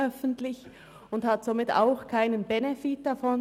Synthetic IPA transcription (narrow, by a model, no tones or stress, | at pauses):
œfən̩tlɪç | ʊnthatz̥omɪta̰ʊxkʰaɪnənbɛnɛfit̚d̥afɔn